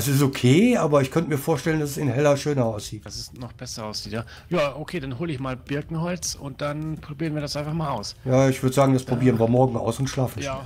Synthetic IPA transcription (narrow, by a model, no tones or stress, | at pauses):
ɐsɪs̬tokʰeːʔaːbɐɪçkʰœntəmiːɐfoːɐʃtɛləndasɛsɪnɦɛlɐʃøːnɐaʊsz̥iːtd̥asɪsnɔχb̥ɛsɐʔaʊsz̥iːtjaː | jaːʔokʰeːdanɦoːləɪçmaːlb̥ɪɐkŋ̩hɔlt͡sʊnt̚d̥anpʁ̥obiːʁənviɐɾasʔaɪ̃nfaχmaːlʔaʊsjaːɪçv̥ʏɐdəzaːɡŋ̩daspʁ̥obiːʁənviɐmɔɐɡŋ̩ʔa̰ʊsʊntʃlaːfn̩